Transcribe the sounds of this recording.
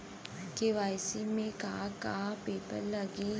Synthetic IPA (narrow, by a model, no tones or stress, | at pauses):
keʋajsimẽkaːkaːpeːpəɾləɡi